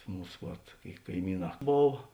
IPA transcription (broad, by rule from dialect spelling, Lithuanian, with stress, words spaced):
ˈmuːs ʋɐt kɐɪˈmʲiːˌnɑː ˈboːw